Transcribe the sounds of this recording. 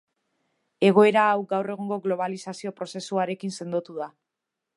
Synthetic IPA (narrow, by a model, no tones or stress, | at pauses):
e̞ɣ̞o̞e̞ɾaːwɡawre̞ɣ̞oŋɡo̞ɣlo̞β̞alisasio̞pɾo̞se̞suaɾe̞kinse̞nd̪ot̪uða